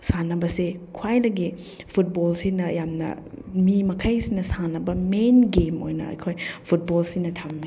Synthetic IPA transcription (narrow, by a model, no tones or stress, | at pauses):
sanɐbɐsekʰwajnɐɡi | pʰut̚bolsinɐjamnɐ̰mimɐkʰajsinɐsanɐbɐmenɡemo̰jnɐ̰ɐ̰jkʰojpʰut̚bolsinɐtʰamːi